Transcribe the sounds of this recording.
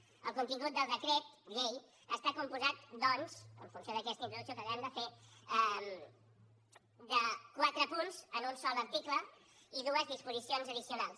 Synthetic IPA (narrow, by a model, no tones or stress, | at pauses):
ə̰lˠkunt̪iŋɡut̪̚d̪əlˠdəkɾɛt̪̚ɡej | əst̪akumpuzat̪̚d̪ɔnzə̰ɱfunsjoðəkɛst̪əint̪ɾuðuksiokəβɛəmd̪əfeɛm | d̪əkwat̪ɾəpunzənunsɔlˠəɾt̪iklə | iðuəzðispuzisionzəðisiunalˠs